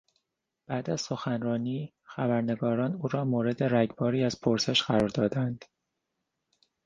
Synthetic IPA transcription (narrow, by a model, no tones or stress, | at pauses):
b̥æːd̪æz̥so̞xænrɒːniː | xæbæɾne̞ɡɒːɾɒːnuːɾɒːmoːɾe̞d̪e̞ɾæɟbɒːɾiːæzpʰoɾse̞ʃɢ̥æɾɒːɾd̪ɒːd̪ænd̪̥